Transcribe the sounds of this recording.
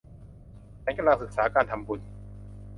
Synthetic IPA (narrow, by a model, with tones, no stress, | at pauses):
t͡ɕʰɛ˨˦ŋka˧nlaː˧ŋsɯ˨˩k̚saː˩˦kaː˧nt̪ʰa˧mpu˧n